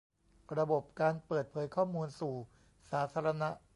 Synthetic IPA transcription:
ɾa˧bo˨˩p̚kaː˧npɤː˨˩t̪̚pʰɤː˩˦jkʰɔː˥˩muː˧nsuː˨˩ | saː˩˦t̪ʰaː˧ɾa˧na˦˥ʔ

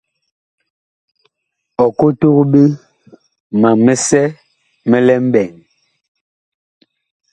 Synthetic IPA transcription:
ɔ˨ko˦tu˦kbe˦ | ma˨mɛ˦sɛ˦ | mɛ˦lɛ˦m̩˦bɛ˨ŋ

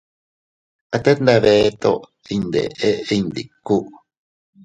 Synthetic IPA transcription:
a˨˧t̪e˦t̪nd̪a˧βet̪o̰˦ʔ | i˧nd̪ḛ˨ʔe˦i˧nd̪i˨kːu˦ʔ

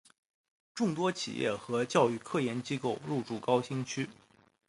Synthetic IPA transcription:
ʈ͡ʂʊ˥˩ŋt̪wɔ˥t͡ɕʰḭ˨˩jɛ̰˥˩xɤ˧˥t͡ɕjɑ˥˧ʊy˥˧kʰɤ˥˩jɛ˧˥nt͡ɕi˥ko˥˧ʊɻu˥˩ʈ͡ʂu˥˩kɑ˥ʊɕi˥ŋt͡ɕʰy˥

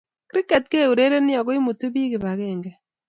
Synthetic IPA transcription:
kɾi˦kɛ˨t̚ke˦˨u˨ɾe˦ɾe˦nɪ˦ɔ˨ko˦i˦mu˨tu˦bi˦kɪ˨ba˨ke˦˨ŋɡɛ˦

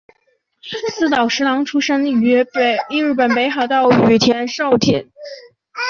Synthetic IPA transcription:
sɹ̩˥˩t̪ɑ˨˩ʊʂɻ̩˧˥lɑ˧˥ŋʈ͡ʂʰu˥ʂə˥ŋ˧i˥˧ɻ̩˥˩pə˨˩npe˧˥ɪxɑ˨˩ʊt̪ɑ˥˩ʊy˨˩t̪ʰjɛ˧˥nʂo˥˧ʊt̪ʰi˨˩˦n

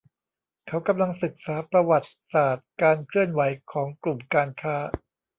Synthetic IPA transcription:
kʰa˦˥wka˧mla˧ŋsɯ˨˩k̚saː˩˦pɾa˧wa˨˩t̪̚saː˨˩t̪̚kaː˧nkʰɾɯ˥˩ənwa˩˦jkʰɔː˩˦ŋklu˨˩mkaː˧nkʰaː˦˥

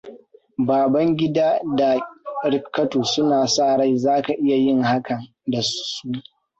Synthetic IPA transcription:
baː˨bɐ˦ŋɡʲɪ˦daː˦da˨ɾɪ˨kːɐ˦toː˨sʊ˦naː˨saː˦˨ɽa˦jzaː˦ka˨ʔɪ˦ja˨jɪ˦ŋha˦kɐ˨n | da˨suː˦

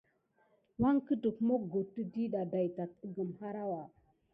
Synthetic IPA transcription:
wa˦ŋkə˦də˨kmo˦ɡo˨tːə˦di˦ɗa˨da˨jta˨t̚ə˦ɡə˨mha˦ɾa˦wa˨

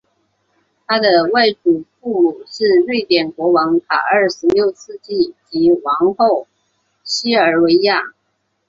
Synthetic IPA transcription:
t̪ʰa˥d̪ə˨wa˥˩ɪʈ͡ʂu˨˩fu˥˩mu˨˩ʂɻ̩˥˧lwe˥˩ɪt̪jɛ˨˩nkwɔ˧˥wɑ˧˥ŋt̪ʰa̰˨˩ə˞˥˩ʂɻ̩˧˥ljo˥˧ʊsʰɹ̩˥˧t͡ɕi˥˩t͡ɕi˧˥wɑ˧˥ŋxo˥˩ʊ | ɕi˥ə˞˧˥we˧˥ɪja˥˩

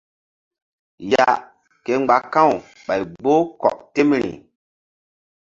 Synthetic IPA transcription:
ja˦ | ke˨ŋ͡mɡ͡ba˨kã˦˨w | ɓa˨jɡ͡bo˦kɔ̰˨ʔte˦mɾḭ˨

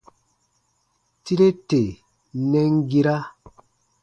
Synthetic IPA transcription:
ti˦ɾe˦te˨ | nɛ˦ŋ˦ɡi˦ɾa˦

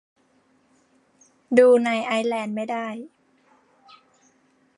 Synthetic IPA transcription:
duː˧na˧˩jʔaː˧jlɛː˧nma˥˩jdaː˥˩j

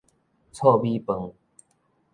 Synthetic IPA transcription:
t͡sʰɔ˥˧bi˦pə˨˩ŋ

